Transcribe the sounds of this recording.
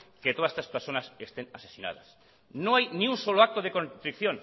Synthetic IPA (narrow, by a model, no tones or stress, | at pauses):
ket̪oðase̥t̪aspeɾsonɐsest̪eŋase̥sina̰ðɐ̰s | nõŋajnĩŋuŋsoloak̚t̪oðekont̪ɾikθjõŋ